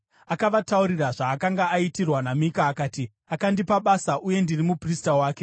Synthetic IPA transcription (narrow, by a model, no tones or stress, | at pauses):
akaʋatauɾiraʐaːkaŋɡaːitirwanamikaːkaːti | akandipaɓaːsaʔuje̞ndirimupristawaːke̞